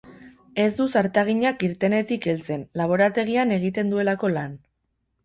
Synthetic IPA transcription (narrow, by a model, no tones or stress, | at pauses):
e̞zd̪usaɾt̪aɣ̞iɲakiɾt̪e̞ne̞t̪ike̞lt͡se̞nlaβ̞o̞ɾat̪e̞ɣiane̞ɣ̞it̪e̞nd̪ue̞lako̞lan